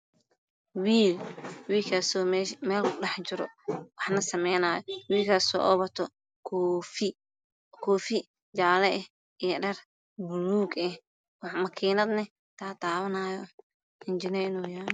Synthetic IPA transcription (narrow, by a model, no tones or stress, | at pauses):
wiːlwiːlkʰasɔːmɛmɛːlkʰʊɗɛħt͡ʃɪɾɔ̰wɑħnɐsɐmɛjnaːjɔwiːlkʰɐsɔ̰ːʔɔβɐt̪ʰɔ | f | kʰɔːfi | d͡ʒaːlɛʔɛh | ʔijɐɖɐr | bʊluːɡɛh | wɑħmɐkʰiːnɐd̪nɐ | t̪ʰaːt̪ʰaːβɐnaːjɔ | ʔɪnd͡ʒɪnɐɪnɔːjaːn